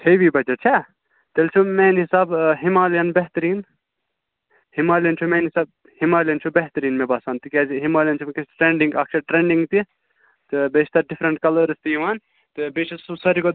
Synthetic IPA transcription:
t̪ʰeʋibɐd͡ʒɐʈt͡ʃʰɛ | t̪elt͡ʃʰumeːnɦisaːbɦimaːljɐnbeɦt̪ɾiːn | himaːljɐnt͡ʃʰumeːnɦisaːb̚ | himaːljɐnt͡ʃʰubeɦt̪ɾiːnmebaːsaːnt̪ikʲeziɦimaːlʲijɐnt͡ʃʰumkʲesʈɾẽːɳɖĩŋɡɐkt͡ʃʰɐʈɾeːɳɖĩŋɡt̪i | t̪ɨbeːt͡ʃʰt̪ɐɖifʰɾɐɳʈkɐləɾɨst̪ijiʋaːn | t̪ɨbeːt͡ʃʰisɐɾiko

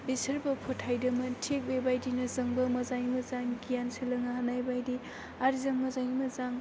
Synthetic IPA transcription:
bisɐɾbɐpʰotʰːajdɐmɐtʰek̚bejbajdinɐzɐŋbɐmɐzaŋimɐzaŋɡijansɯlɐŋahanajbajdi | aɾzɐŋmɐzaŋimɐzaŋ

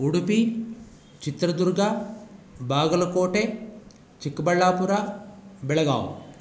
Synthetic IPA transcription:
uɽupi | t͡ʃit̪ɾɐd̪uɾɡaː | baːɡɐlɐkoːʈeː | t͡ʃikːɐbɐɭːaːpuɾaːbɛɭɐɡa̰ːw

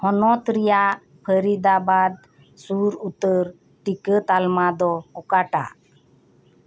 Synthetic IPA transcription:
hɔnɔt̪ɾijaʔ | pʰəɾid̪abad̪̚ | suɾut̪əɾ | ʈikət̪almad̪ɔkɔkaʈa̰ʔ

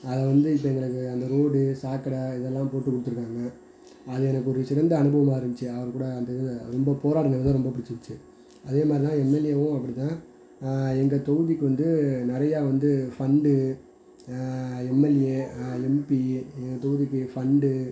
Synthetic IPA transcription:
ɐðɐʋɐnd̪ɯɪpːɐɛŋɡɐɭɯkːɯɐnd̪ɐɾoːɽɯsaːkːɐɽɐɪðɛlːãːpoːʈːɯkʊɽɯt̪ːɯɾɯkːaːŋɡɐ | ɐðɯɛnɐkːɯɔɾɯsɪɾɐnd̪ɐɐnɯbɐʋɐmaːɪɾɯmbɪt͡ʃːɯɐʋɐɾkuːɽɐːnd̪ɐɯɾɔmbɐpoːɾaːɽɐnɐlɐt̪ãːɾɔmbɐpɪɽɪt͡ʃːʋɪɪt͡ʃːɯ | ʔɐðeːmaːd̪ɾit̪ãːɛmːɛlɪjeʋʊ̃ɐpːɐɽit̪ãː | ɛŋɡɐt̪ɔɣɯðɪkːɯʋɐnd̪ɯnɪɾɐjaːʋɐnd̪ɯfɐɳɖɯ | ɛmːɛlɪeɛmpiɛŋɡɐt̪ɔɣɯðɪkːɯfɐɳɖɯ

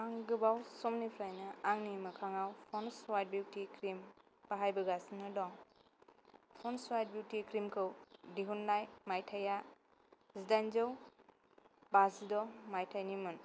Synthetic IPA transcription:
aŋɡɯbawsɔmnipʰɾajnɯaŋnimɯkʰaŋawpʰɔnswajt̚buwtikɾim | paɦajbɯɡasnɯdɔŋ | pʰɔnswajt̚bjuwtikɾimkʰɯwdiɦunːajmajtʰaja | zidajnzɯw | bazidɔmajtʰajnimɯn

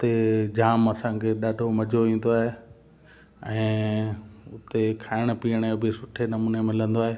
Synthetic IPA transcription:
ʊt̪ed͡ʑaːmɐsãːkʰeɗaːɖʱomɐd͡ʑʱoʋĩːn̆d̪oaːɦe | ɛ̃ː | ʊt̪ekʰaːɪɽ̃əpiːəɽ̃ebʱɪsʊʈʰenɐmuːnemɪlə̃nd̪oaːɦeː

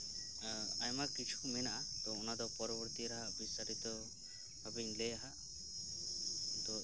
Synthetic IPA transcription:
ajmakit͡ʃʰu̥menaʔat̪ɔːnad̪ɔpɔɾɔbɔɾt̪iɾaɦabisaɾit̪ɔ | babinleaɦa | t̪ɔ

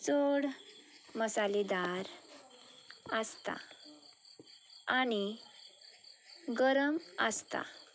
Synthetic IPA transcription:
t͡soɽməsaled̪aɾ | əst̪a̰ | aɽ̃i | ɡəɾəməst̪a̰

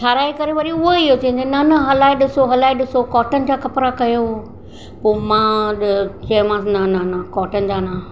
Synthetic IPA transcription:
t̪ʰaːɾaːikɐɾeʋɐɾiʊɦeɪɦot̪ɐ̃ɦɪ̃ɲd͡ʑonɐnɐɦɐlaːiɗɪsoɦɐlaːiɗɪsokɔːʈənɪ̆d͡ʑaːkɐpɾakɐjo | poːmãːɗt͡ɕɐmãːsnɐnɐnɐkɔːʈənɪ̆d͡ʑaːna

